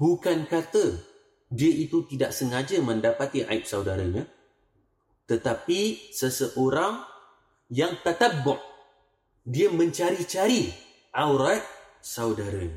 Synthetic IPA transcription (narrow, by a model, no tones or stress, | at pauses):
bukankat̪ə | diəʔit̪ut̪idaʔsəŋad͡ʒəməndapat̪iʔa̰ip̚sawdaɾəɲa | t̪ət̪apisəsəʔoɾaŋ | jaŋt̪at̪əbɔʔ̚ | diəmə̃ɲt͡ʃaɾit͡ʃaɾi | ʔawɾat̪̚ | saudaɾəɲa